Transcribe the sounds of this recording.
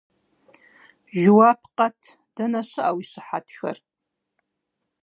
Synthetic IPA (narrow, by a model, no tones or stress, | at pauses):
ʒʊwaːpʰqɐtʰ | d̥ɐnɐɕɨʔawiɕɨħa̰tʰxɐ̰r